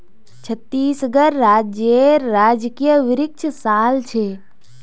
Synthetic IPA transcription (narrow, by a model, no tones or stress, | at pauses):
t͡ʃʰət̪ːiːsɡəɾːaːd͡ʒjeɾːaːd͡ʒkijəʋɪɾɪk̚t͡ʃʰəsaːlt͡ʃʰeː